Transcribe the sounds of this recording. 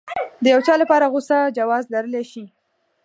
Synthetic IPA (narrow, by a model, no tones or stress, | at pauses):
d̪əjawt͡ʃɑlapɑɾaɣosad͡ʒawɑzlaɾəleʃi